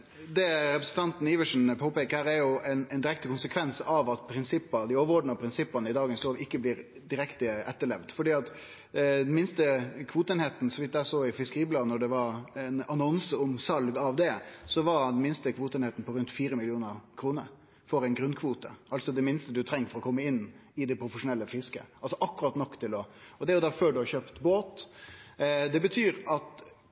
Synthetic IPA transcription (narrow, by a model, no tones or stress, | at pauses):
d̪ɛɾɛpɾəsn̩t̪ʰɑnt̪n̩ɪʋəʂn̩pʰoːpeːkəɾəɾæɾjʊɛɪnɛɪnd̪ɪɾɛkt̪əkʊnsəkʰʋɛnsɑʋɑt̪pʰɾɪnsɪpːɑd̪ɪoːʋəɾɔɖnɑpʰɾɪnsɪpːɑnəɪd̪ɑːɡənsloːʋɪkːəbliːɾ | d̪ɪɾɛkt̪əɛt̪ːəɭɛʋd̪fɔɖiːɑt̪ | d̪ɛnmɪnst̪əkʰʋuːt̪əeːnheːt̪n̩sɔʋɪt̪d̪æsoːɪfɪskəɾiːblɑːnɔɖɛʋɑɾnɑnɔnsəɔmsɑlɡɑʋd̪ɛsɔʋɑɾd̪ɛnmɪnst̪əkʰʋuːt̪əɛːneːt̪n̩pʰɔɾʉnt̪fiːɾəmɪlɪuːnəɾkʰɾuːnəɾ | fɔɾæɪnɡɾʉnːkʰʋuːt̪ə̰ʔɑlt̪sɔd̪ɛmɪnst̪əd̪ʉt̪ʰɾɛŋːəfɔɾɔkʰɔmːəɪnːɪd̪ɛpʰɾʊfəʂʊnɛlːəfɪskə̰ʔɑlsɔʔɑkːʉɾɑt̪nɔkːt̪ʰɪlɔɔd̪ɛæɾjʊd̪ɑføːɖʉhɑçøːpt̪boːt̪ | d̪ɛbət̪ʰyːɾɑt̪